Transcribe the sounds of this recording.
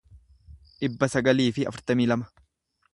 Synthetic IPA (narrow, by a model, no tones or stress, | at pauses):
ʔɪbːɐsɐɡɐliːfɪɐ̰fʊɾt̪ɐmiːlɐmɐ̥